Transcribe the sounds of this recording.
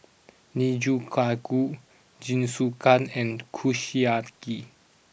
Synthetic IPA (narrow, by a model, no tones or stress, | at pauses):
nid͡ʒukaku | d͡ʒinsukanɛ̃nkʰuʃiatki